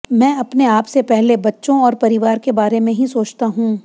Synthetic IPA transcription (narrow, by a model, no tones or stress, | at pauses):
mɛ̃ːɐpneaːpsepɛɦlebɐtːʃõɔːɾpɐɾɪʋaːɾkebaːɾemẽɦisoːt͡ʃt̪aɦũː